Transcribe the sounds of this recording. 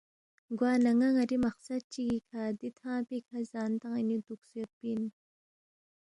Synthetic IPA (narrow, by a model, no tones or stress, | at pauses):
ɡwaːnɐŋaŋɐɾimɐqsɐd̪̚t͡ʃiɡikʰaːd̪it̪ʰãːpikʰazaːnt̪aŋinit̪uksujet̪̚pin